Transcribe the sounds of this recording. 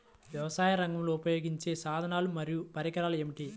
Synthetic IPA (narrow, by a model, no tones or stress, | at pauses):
ʋjɐʋɐsaːjɐɾɐŋɡɐmloːupɐjo̞ːɡiɲt͡ʃe̞ːsaːd̪ʱɐnaːlumɐɾijupɐɾikɐɾaːluemiʈi